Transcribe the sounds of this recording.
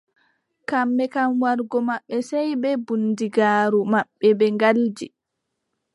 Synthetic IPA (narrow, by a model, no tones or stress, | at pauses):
kamːɛkamwaɾɡɔmaɓːɛsɛjbɛbundiɡaːɾumaɓːɛbɛŋɡald͡ʒi